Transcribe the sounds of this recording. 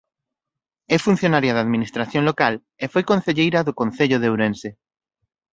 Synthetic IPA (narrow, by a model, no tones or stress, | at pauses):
ɛfun̟θjonaɾjaðaðminist̪ɾaθjõŋlokal | efojkõnθeʎejɾɐðʊkonθeʎʊðewɾẽnse